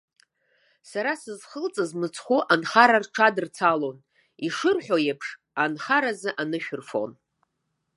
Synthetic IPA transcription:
saɾasɨzχəlt͡sʼɨzmɨt͡sʰχʷuʔanχaɾarʈ͡ʂʰadɨrt͡sʰalo̞n | iʂɨrħʷᶣojepʰʂ | anχaɾazɨʔanɨʃᶣrfo̰n

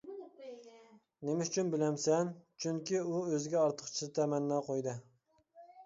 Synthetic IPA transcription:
nemɪyt͡ʃʰynbɪlɛmsɛnt͡ʃʰyŋkʲiuøzɪɡʲɛɑɾt̪ʰə̥qt͡ʃʰizɪt̪ʰɛmɛnːɑqʰojd̪ɨ

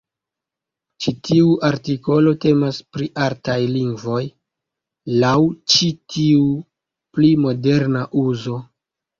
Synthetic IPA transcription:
t͡ʃitiuʔaɾtiko̞lo̞te̞maspɾiʔaɾtajliŋɡvo̞j | lawt͡ʃitiu | plimo̞de̞ɾnaʔuzo̞

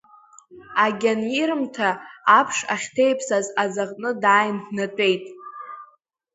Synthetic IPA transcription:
aɡʲaniɾɨmtʰaːpʰʂaχʲtʰe̞jpʰsazazaʁʼnɨdaːjndnatʷʼe̞jtʼ

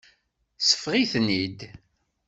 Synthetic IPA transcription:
sə̥fʁiθnid̪

